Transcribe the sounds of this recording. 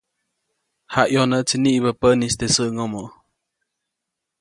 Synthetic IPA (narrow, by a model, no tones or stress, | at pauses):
haʔjonəʔt͡siniʔbəpənist̪esəʔŋomoʔ